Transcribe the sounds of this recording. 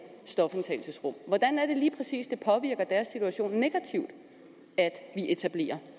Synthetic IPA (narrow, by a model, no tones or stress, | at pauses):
sd̥ɒ̽fent͡sʰɛ̰ɪl̩səsʁɔ̽m̰ʋɒd̥ænæɐd̥e̝liːpʰʁɛsḭːsd̥e̝pʰɒ̽ʋiɐɡ̥ɐd̥æɐsːit͡sʰuæɕo̝̰ːnːe̝ɡ̥æt͡sʰiʊd̥ | æd̥ʋiʔe̝t͡sʰæb̥le̝̰ːɐ